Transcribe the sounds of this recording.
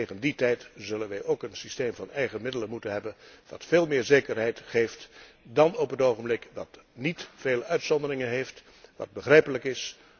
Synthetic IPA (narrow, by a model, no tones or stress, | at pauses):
teχənditɛjtzɵlənʋɛjʔowkənsisteːmvɑnɛjχəmɪdələnmutənɦɛbənʋɑ̰tfeːlˠmɪːɹzejkərɦɛjtχejft | dɑnɔpɦətowχəmblɪkʋɑtnitfeːləœɥtsɔndərɪŋənɦejft | ʋɑ̰d̚bəχrɛjpələkɪs